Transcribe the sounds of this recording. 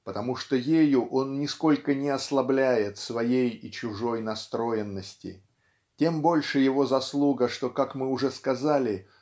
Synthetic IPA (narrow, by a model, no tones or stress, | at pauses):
pət̪ɐmuʂt̪ojejʊʔo̞nːʲɪsko̞lʲkənʲɪɐslˠɐblʲæjɪt̪svɐjejɪt͡ɕʊʐo̞jnɐst̪ɾo̞jɪnːəsʲtʲɪ̰ | tʲe̞mbo̞lʲʂɨjɪvo̞zɐslˠuɡəʂt̪o̞kakmɨʊʐɛskɐzalʲɪ